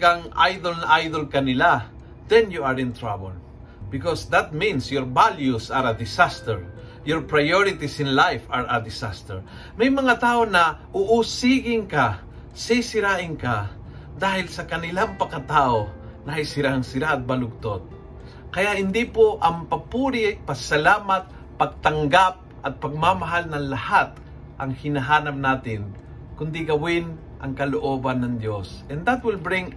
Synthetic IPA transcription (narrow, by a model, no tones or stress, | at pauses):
ɡaŋʔa̰jd̪olnɐʔajd̪olkɐnɪla | d̪ɛnjuaɹɪ̃nt̪ɾabɛl | bɪkɔsd̪at̪̚mĩnsjɔɹbaljusaɾɐd̪ɪsast̪ɛɹ | jɔɹpɹajoɾɪt̪isɪnlajfaɹɐd̪ɪsast̪ɛɹ | mɐjmɐŋat̪aːʔonɐʔʊʔusiɡɪŋka | sisɪɾaʔɪŋka | d̪aːhɪlsɐkɐnɪlaŋpɐkat̪aːʔo | nɐhɐjsɪɾaʔɐŋsɪɾaɐt̪̚bɐlʊɡ̚t̪ot̪̚ | kɐjaʔhɪnd̪ipoʔɐmpɐpuːɾɪat̚pɐɡsɐlaːmat̪̚ | pɐɡ̚t̪ɐŋɡap̚ʔɐt̪̚pɐɡ̚mamaɦalnɐŋlɐhat̪̚ | ʔɐŋhɪnɐɦaːnap̚naːt̪ɪn | kʊnd̪iɡɐwɪn | ʔɐ̰ŋkɐloʔoːbanːɐŋd̪josʔɛnd̪at̪̚wɪlbɾɪŋ